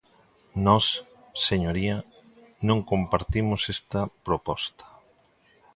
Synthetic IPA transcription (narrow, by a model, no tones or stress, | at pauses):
nɔs | seɲoɾiɐ | nõŋkompaɾt̪imʊsest̪ɐpɾopɔst̪ɐ̥